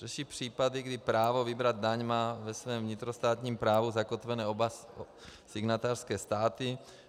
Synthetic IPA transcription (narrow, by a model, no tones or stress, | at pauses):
r̥ɛʃipr̝̥iːpadɪɡdɪpɾaːvo̞vɪbɾad̪̚daɲmaːvɛsvɛːmvɲɪt̪ɾost̪aːt̪ɲiːmpɾaːvuzakot̪vɛnɛːoba | sɪɡnat̪aːr̥skɛːst̪aːt̪ɪ